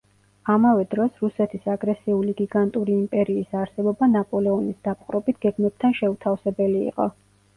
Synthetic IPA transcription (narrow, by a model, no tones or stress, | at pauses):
amavɛd̪ɾɔsɾusɛt̪ʰisaɡɾɛsiuliɡiɡant̪ʼuɾiːmpʼɛɾiːsaɾsɛbɔbanapʼɔlɛɔnisd̪̥ap̚ʼqʼɾɔbit̪ʰɡ̥ɛɡmɛb̚t̪ʰanʃɛut̪ʰafsɛbɛlḭːqʼɔ̰